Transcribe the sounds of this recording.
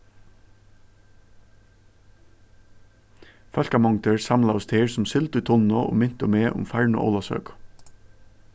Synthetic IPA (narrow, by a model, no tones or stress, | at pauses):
fœlkɑmɔŋt̪əɹsɑmlɑʊst̪ʰeːɹsʊmsʏlt̪ʏːt̪ʰɔnɔʔo̰ːmɪnt̪ʊmeːʔʊ̰mfæɹɳo̰ʔɔ̰ːlɑsœ̰ːk